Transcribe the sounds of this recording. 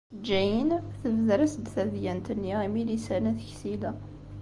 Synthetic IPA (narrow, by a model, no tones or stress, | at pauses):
d͡ʒːæjənθəvðɾəsd̪θæðjænt̪ənːiimilisænæθəçsilæ